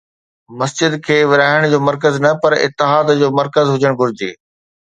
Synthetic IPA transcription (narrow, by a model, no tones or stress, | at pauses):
mɐsd͡ʑɪd̪kʰeːʋɪɾaːɪɽ̃d͡ʑoːmɐɾk̬əznɐpɐɾɪ̰t̪ːɪɦaːd̪d͡ʑoːmɐɾkəzɦʊd͡ʑəɽ̃ɡʱʊɾɪd͡ʑḛː